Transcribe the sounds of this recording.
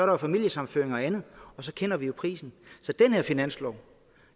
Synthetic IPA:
sɒɐɾɑfæmil̰jəsɑ̈m̩føɐeŋɒ̽ænð̞̩ˠɒ̽sɒ̽kʰen̰ɐʋijo̝pʰʁḭːsn̩sɒ̽d̥enheɐ̰finæn̰slɒʊ̰

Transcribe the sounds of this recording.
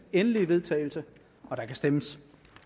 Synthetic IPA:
enəliʋe̝ð̞ˠt͡sʰɛ̰ːɪl̩sə | ɒ̽d̥ɑ̈kæsd̥eməs

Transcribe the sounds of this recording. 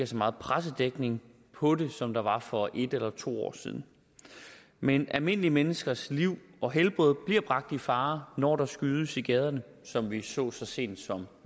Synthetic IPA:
æsɒ̽mɑ̈ːð̞̩ˠpʰʁas̬əd̥eɡ̥ne̝ŋ | pʰɒ̽de̝sɒ̽md̥ɑ̈ʋɑ̈fɒ̽ʔe̝d̥elɐt͡sʰo̝̰ːɒ̰ːsḭːðˠn̩ | menʔælme̝n̰əlimenəsɡ̥ɐsliʊ̰ɒ̽ɦelb̥ʁɔð̞̩ˠb̥liɐ̰b̥ʁɑ̈ɡ̥̚d̥ifɑ̈ːnɒ̰ːd̥ɑ̈sɡ̥yːð̞ˠəsiɡ̥ɛːð̞ˠɐnə | sɒ̽mʋisɔ̰̽ːsɒ̽se̝̰ːnd̥sɒ̽m

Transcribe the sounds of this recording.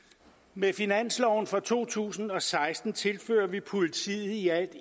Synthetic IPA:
mefinæn̰slɒʊn̩fʁɒ̽t͡sʰo̝̰ːt͡sʰṵːsn̩ɒ̽sɑ̈ɪsd̥n̩t͡sʰe̝lfø̰ːɐʋipʰo̝lit͡sʰḭːð̩ˠiæl̰d̥

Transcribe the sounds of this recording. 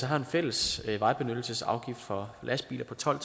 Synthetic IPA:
sɒ̽ɦɑ̈e̝nfel̰əsʋɑ̈ɪb̥e̝nød̥l̩səsɑ̈ʊɡ̥ifd̥fɒ̽lʔæsb̥ḭːlʔɐpʰɒ̽t͡sʰɒ̽l̰ʰ

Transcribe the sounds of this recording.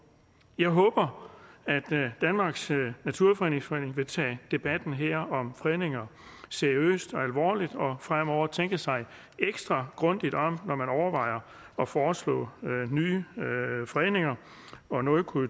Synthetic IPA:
jɑ̈ɪɦɔ̽ːb̥ɐæd̥ːænmɑ̈ːɡ̥snæt͡sʰuɐ̰fɒʁḛne̝ŋsfɒḛːne̝ŋʋe̝t͡sʰɛ̰ːd̥e̝b̥æd̥n̩ɦeɐ̰ɒ̽mfʁeːne̝ŋɐseɐiø̰ːsd̥ɒ̽ælʋɒ̰ːlid̥ɒ̽fʁam̰ɒʊ̰ɐt͡sʰeŋ̰ɡ̥əsɑ̈ɪ | ʔeɡ̥sd̥ʁɑ̈ɡ̥ʁɔ̽nd̥id̥ɒ̽mnɒmænɒʊɐʋɑ̈ɪ̰ɐ | ɒ̽fɒːslɔ̰̽ːnyː | fɒeːne̝ŋɐ | ɒ̽nɔkʰu

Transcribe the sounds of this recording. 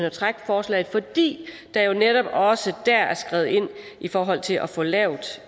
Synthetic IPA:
nɒt͡sʰʁaɡ̥fɒːslɛ̰ɪð̩ˠfɒ̽d̥ḭː | d̥ɑ̈jo̝neɾ̥ɒ̽b̥ɒ̽səd̥æɐæɐsɡ̥ʁɛð̩ˠe̝n̰ | ʔifɒːɦɒ̽l̰t͡sʰe̝lʔɒfɒ̽lɛʊ̰d̥

